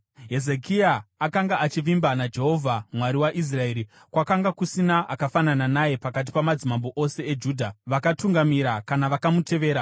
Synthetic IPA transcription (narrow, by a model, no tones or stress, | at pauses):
ɦe̞ze̞kiaːkaŋɡaʔat͡ʃiʋimbanad͡ʒe̞ɦo̞vʱamwaɾiwaʔis̬rae̞ːɾi | kwakaŋɡakusinaʔakafanananaje̞pakat̬i̥pamad͡zimamboʔo̞se̞ed͡ʒuːdʱaʋakatuŋɡamiɾakanaʋakamute̞ʋe̞ːɾa